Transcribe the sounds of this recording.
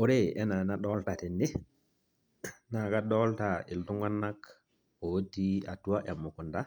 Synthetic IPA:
o˦ɾe˦ɛ˦na˨na˦ɗɔ˦lta˨ti˨ndi˦ | na˨ka˦dɔ˦ltai˨ltu˦ŋɡa˦nːa˦k | o˨wo˦tːi˦a˨tu˦wa˦ʔe˨mːu˨ku˨nda˦

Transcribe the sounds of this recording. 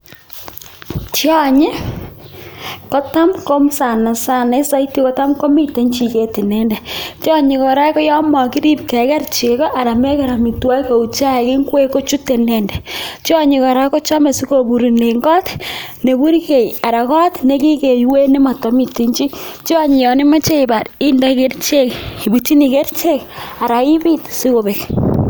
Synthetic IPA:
t͡ʃjɔ˦ɲe˦ | kɔ˦ta˦mko˦msa˨na˨sa˦˨ne˦sa˦i˦ti˦kɔ˦ta˦mko˦mi˦te˨˦ɲt͡ʃi˨ke˨te˨nɛ˦ndɛ˨t͡ʃɔ˦ɲɪ˨kɔ˨ɾa˦kɔ˦jɔ˦mɔ˨ki˦ɾi˦p̚kɛ˨kɛ˦ɾt͡ʃe˨kɔ˦ʔa˨ɾa˨me˦ka˨ɾa˨mi˨twa˦ko˨u˨t͡ʃa˦˨kɪ˦ŋ˦ɡwe˦ko˦t͡ʃu˦te˨nɛ˨ndɛ˨t͡ʃɔ˦ɲi˨kɔ˨ɾa˦ko˦t͡ʃɔ˦me˨si˦ko˨bu˨ɾi˨ne˨ŋɡɔ˦tne˨bu˦ɾke˨ja˨ɾa˨kɔ˦tne˦ki˦ke˨jwe˦ni˦ma˨to˦mi˨te˦ɲt͡ʃi˦t͡ʃi˦ɔ˦ɲi˨jɔ˨ni˦ma˦t͡ʃe˦i˨ba˨ɾi˦nda˦ke˦ɾt͡ʃe˦ki˨bu˨t͡ʃi˦ni˨ke˦ɾt͡ʃe˦ka˨ɾa˨i˦bi˦tsi˦ko˨be˨k

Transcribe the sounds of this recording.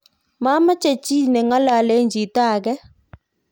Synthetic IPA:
ma˦ma˦t͡ʃe˦˨t͡ʃi˦nɛ˨ŋa˦la˨le˦ɲd͡ʒi˨ta˦˨ɡɛ˦

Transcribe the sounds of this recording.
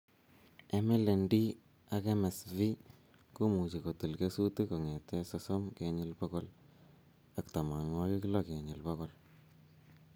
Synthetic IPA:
e˦mɪ˦le˨ndi˦ | a˦ke˦me˨svi˦ | ku˦mu˨t͡ʃi˨ko˨ti˨lke˦su˦te˦ko˨ŋe˨tɛ˦soso˦mkeɲɪ˦lpo˦kɔ˦l | a˨kta˨ma˨ŋo˦ki˦ki˦lo˦ke˨ɲɪ˨lpɔ˦kɔ˦l

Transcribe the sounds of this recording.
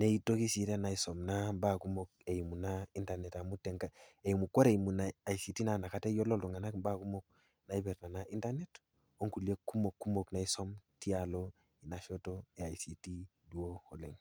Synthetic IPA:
ne˦i˦to˦ki˦si˨te˦na˨i˦so˨mna˦mba˦ku˦mo˦k̚e˨ji˨mu˨na˦i˦nta˨ne˨ta˨mu˦te˨ŋka˦e˨ji˨mu˨ko˦ɾe˨i˨mu˨na˨a˨jsi˨ti˦na˨na˨ka˨te˦jo˦lo˦lu˨ŋa˨na˦kmba˦ku˦mo˦k̚ | na˨i˦bɛ˨ɾna˨na˦ʔi˦nta˦ne˦t | o˦ŋku˨lie˦kːu˦mo˨kːu˦mo˨kna˨˦i˦so˦mti˦a˨lo˦ | i˨na˨ʃo˦to˦e˨a˨jsi˨ti˦du˨˦o˦ho˨le˨ŋ

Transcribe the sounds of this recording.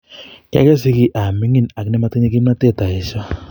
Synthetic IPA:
ka̰˦kɛ˦s̬ɪ˦ki˦ʔa˨mi˦ŋi˦na˨knɛ˦ma˦te˦ɲe˦k̬i˦mna˦te˦˨ta˨i˨sɔ˦

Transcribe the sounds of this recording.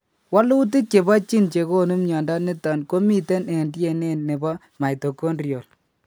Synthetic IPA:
wa˦lu˦t̬i˦ke˨ba˦t͡ʃi˦nt͡ʃe˨ko˦nu˦mɲɔ˨nda˦nɪ˦tɔ˨nko˦mi˦tɛ˦ne˨ndjɛ˦˨ne˦nːe˨bɔ˦ | ma˨jto˨ko˦nrjo˨l

